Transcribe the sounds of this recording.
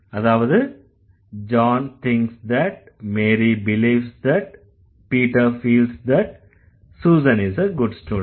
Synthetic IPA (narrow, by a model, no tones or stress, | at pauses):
ɐðaːʋɐðɯ | d͡ʒãːnt̪ʰɪ̃ŋksd̪æʈ̚ | meːɾibɪliːʋsd̪æʈ̚ | piːʈəɾfiːlsd̪æʈ̚ | suːzə̃nɪzəɡʊɖsʈuːɾ